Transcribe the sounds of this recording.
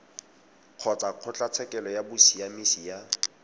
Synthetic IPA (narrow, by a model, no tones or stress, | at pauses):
q͡χʰɔt͡saq͡χʰʊt͡ɬʼat͡sʰɛkɛlɔjabʊsijamisija